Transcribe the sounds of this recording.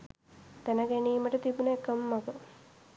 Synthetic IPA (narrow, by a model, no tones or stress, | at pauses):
t̪ænəɡeniːməʈət̪ibunəekəmːɐɡə